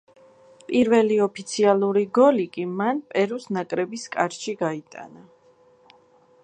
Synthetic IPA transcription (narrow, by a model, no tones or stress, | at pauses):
pʼiɾvɛliɔpʰit̪sʰialˠuɾiɡɔlikʼimanpʼɛɾusnakʼɾɛbiskʼaɾʃiɡait̪ʼa̰na